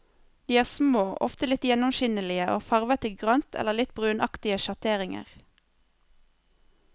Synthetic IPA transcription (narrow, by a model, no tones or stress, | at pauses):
d̪̥iːæːʁsmoːʔɔ̰ft̪əlɪt̪jɛnʊmʃɪnəlɪəʔo̰ːfɑʁʋət̪əɡʁɑnt̪ʰɛ̰ləʁlɪt̪bʁʉːnʔɑkt̪ɪəʃɑt̪ʰeːʁɪŋə̰ʁ